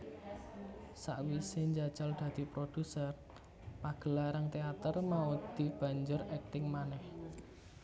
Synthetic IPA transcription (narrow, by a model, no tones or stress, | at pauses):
sa̰ʔwiseɲd͡ʒḁd͡ʒald̪̥ä̤d̪̥i̤pɾod̪̥ṳsər | paɡ̥ə̤laɾaŋt̪eat̪ərmaud̪̥i̤b̥ä̤ɲd͡ʒʊrɛk̚t̪ɪŋmanɛh